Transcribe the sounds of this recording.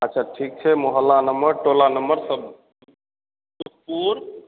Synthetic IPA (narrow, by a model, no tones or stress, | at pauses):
atːt͡ʃʰaʈʰik̚t͡ʃʰɛmoɦəlːanəmbəɾʈolanəmbəɾsəb̚ | kupuɾ